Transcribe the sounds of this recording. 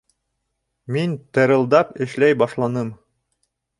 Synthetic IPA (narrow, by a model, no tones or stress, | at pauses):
mint̪ɤ̆ɾɤ̆lˠd̪ɑpɘ̆ʃlæjbɑʃlˠɑnɤm